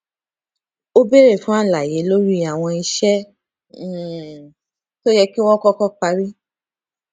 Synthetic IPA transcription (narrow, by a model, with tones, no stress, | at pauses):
o˦be˦ɾe˦˨fũ˨˦a˦˨la˨je˨˦lo˦ɾi˦a˨w̃ɔ̃˧i˧ʃɛ̃˦˨ | to˦jɛ˧ki˦w̃ɔ̃˦kɔ˦kɔ˦k͡pa˧ɾi˦